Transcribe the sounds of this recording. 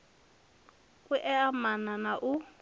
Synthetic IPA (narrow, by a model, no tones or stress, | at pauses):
kʼuʔɛamananaʔu